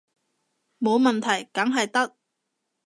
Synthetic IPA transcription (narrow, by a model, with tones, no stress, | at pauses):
mo˨˧wmɐ˨nt̪ʰɐ˨˩jkɐ˨˥ŋɦɐ˨jt̪ɐ˥k̚